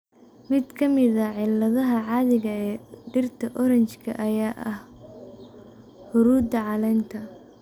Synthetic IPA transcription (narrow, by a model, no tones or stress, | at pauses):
mɪd̪kʰɐmɪðɐʕɪlːɐðɐɦɐʕɑːðɪɣɐɛːɖɪrt̪ʰɐʔɔɾɐnt͡ʃkʰɐ̰ʔɐjaːʔɐh | hʊɾuːd̪ɐʕɑlɛːnt̪ʰɐ